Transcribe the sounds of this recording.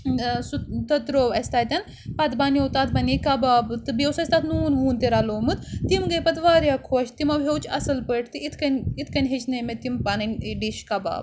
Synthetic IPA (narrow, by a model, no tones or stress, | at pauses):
sut̪ɐt̪ɾoːʋɐsʲt̪aːjt̪ʲɐn | pɐt̪baːnʲjowt̪aːt̪̚bɐnikɐbaːbt̪ɨbewsɐsʲt̪at̪nuːnʋuːnt̪eɾaloːmɨt̪t̪imɡɐjpɐt̪ʋaːɾjakʰoːʃt̪imɐbʱʲewt͡ʃʰɐsɐlpəʈʰt̪ɨʔit̪ʰkɐnʲit̪ʰkɐnʲɦet͡ʃnɐmet̪impanɐnʲɖiʃkɐba̰ːb